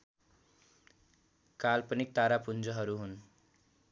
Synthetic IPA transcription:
kalpʌnik̚t̪aɾapund͡zʌɦʌɾuɦun

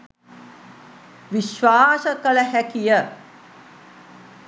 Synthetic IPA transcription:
ʋiʃʋaːsəkələɦækijə

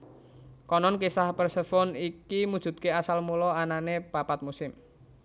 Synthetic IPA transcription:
kɔnɔnkisahpərsəfɔnikimud̥ʒ̥ṳt̪̚keasalmulɔananepapat̪̚musɪm

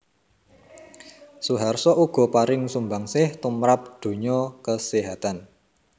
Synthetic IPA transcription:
suɦarsɔʔuɡ̥ɔ̤paɾɪŋsumbaŋsɪht̪umɾap̚d̪̥o̤ɲɔkəseɦat̪an

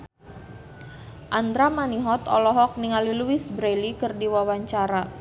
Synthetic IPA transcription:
ʔand̪ɾamaniɦɔt̪ɔ̰lɔɦɔk̚niŋaliluisbɾelikɨrdiwawaɲt͡ʃaɾa

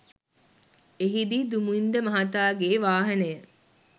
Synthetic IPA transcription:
eɦid̪id̪umuind̪əmɐɦɐt̪aːɡeːʋaːɦɐnəjə

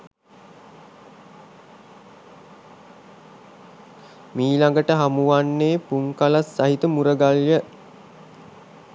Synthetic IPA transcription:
miːlaŋɡəʈəɦamuʋanːeːpuŋkalasːaɦit̪əmuɾəɡaljə

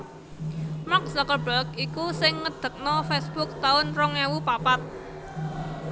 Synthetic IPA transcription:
mak̚sɔkəbəkikusɪŋːəd̪̥ə̤k̚nɔfesb̥ʊk̚t̪aʊnrɔŋɛwupapat̪̚

